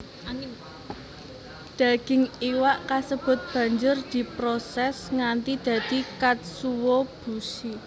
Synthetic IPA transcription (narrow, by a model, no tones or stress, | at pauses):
d̪̥ä̤ɡ̥ɪ̤ŋiwaʔkasəb̥ʊ̤t̪̚b̥ä̤ɲd͡ʒʊrd̪̥i̤pɾosɛsŋant̪id̪̥ä̤d̪̥i̤kat̪̚suwob̥ṳsi